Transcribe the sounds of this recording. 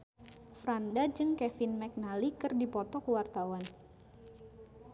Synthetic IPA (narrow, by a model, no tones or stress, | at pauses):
fɾandad͡ʒɨŋkɛfɪnmɛk̚nalikɨrdipɔt̪ɔkəwart̪awan